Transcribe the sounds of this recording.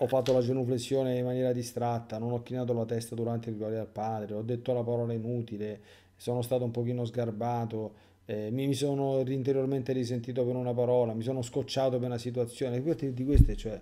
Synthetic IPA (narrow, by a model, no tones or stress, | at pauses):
ɔfːat̪ːolad͡ʒenuflesːjoːneimːanjɛːɾad̪ist̪ɾat̪ːanonɔkːinaːt̪̬olat̪ɛst̪ad̪uɾant̪eilɡwaɾalpaːd̪ɾeɔd̪ːet̪ːolapaɾɔːlainuːt̪ile | soːnost̪aːt̪̬oumpok̟iːnozɡarbaːt̪o | ɛmimisoːnoriːnt̪eɾjorment̪eɾis̬ent̪iːt̪̬openunapaɾɔːlamis̬oːnoskot͡ʃːaːt̪openasit̪̬uat̪sːjoːnepːɔt̪ːed̪ikwest̪et͡ʃːoɛ